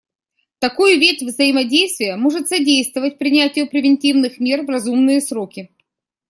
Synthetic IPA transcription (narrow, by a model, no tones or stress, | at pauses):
t̪ɐkujʊvʲetʲvzəɪmɐdʲejst̪vʲɪjəmoʐɨt̪sɐdʲejst̪vəvət̚ʲpɾʲɪnʲætʲɪjʊpɾʲɪvʲɪnʲtʲivnɨxmʲe̞rvrɐzumnɨjəsɾo̞kʲɪ